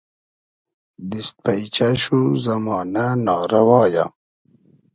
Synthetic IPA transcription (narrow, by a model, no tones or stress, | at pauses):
d̪ist̪̚pajt͡ɕaɕuzɐmɑːnanɑːɾɐwɑːja̰